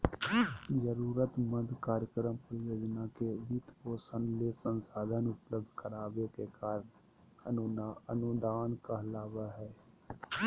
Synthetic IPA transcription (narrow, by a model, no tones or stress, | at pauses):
d͡ʒəɾuːɾət̪məd̪kaːɾjəkɾəmpɾjoːd͡ʒnakeʋɪt̪poːsənlesə̃nsaːd̪ʱənʊpləb̚d̪ʱkəɾaːʋekekaːɾn | ənənʊd̪aːnkaɦlaːʋaɦɛː